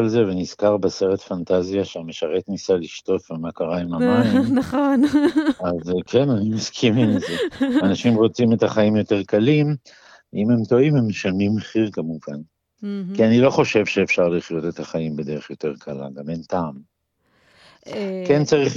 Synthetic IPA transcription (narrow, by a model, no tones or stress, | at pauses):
alzeveniz̥kaʁbese̞ʁetfantazijaʃeameʃaʁe̞tnisaliʃto̞fvemakaʁaimamanaχonazkʰenanimaskʰimimzeanaʃimʁo̞t͡sime̞taχaimjo̞te̞ʁkalim | ʔime̞mto̞imemeʃanimeχiʁkamuvan | kianilo̞χo̞ʃeːvʃeevfʃaʁliχjo̞te̞taχaimbe̞de̞ʁeχjo̞te̞ʁkʰala̰ɡamentaːm | kent͡saʁiχ